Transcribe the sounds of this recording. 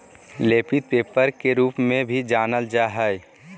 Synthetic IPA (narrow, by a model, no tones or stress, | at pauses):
leːpit̪̚peːpəɾkeɾuːpmẽbʱid͡ʒaːnəld͡ʒaɦɛɪ